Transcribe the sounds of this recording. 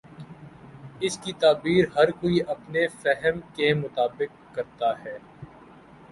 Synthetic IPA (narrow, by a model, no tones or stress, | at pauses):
ɪskit̪aːbiːɾɦɐɾkoːiʔɐpnefɛɦəmkemʊt̪aːbɪkːɐɾt̪aɦɛː